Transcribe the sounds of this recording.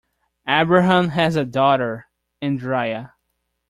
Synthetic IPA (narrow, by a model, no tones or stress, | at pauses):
æbɹɨɦə̃mɨzɨdɔɾə˞ | ɨ̃ndɹaɪɨ